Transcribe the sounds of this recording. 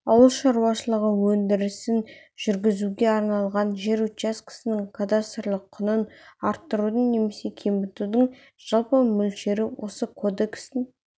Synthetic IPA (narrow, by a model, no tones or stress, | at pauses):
ɑwəlˠʃɑɾuwɑʃəlˠəʁəwɵnd̪ɪɾɪsɪn | ʒ̥ʏɾɡʲɪzuɡʲe̞ɑɾnɑlˠʁɑnʒe̞ɾuaskʰɪ̥sɪnɪŋkʰad̪ast̪əɾlˠəqʰːʊnənɑɾt̪ːəɾud̪əɴne̞me̞se̞kʲʰe̞mbɪt̪ud̪əɴ | ʒ̥ɑlˠpəmʏlʃe̞ɾɪwʔo̞səkʰo̞d̪e̞kst̪ɪŋ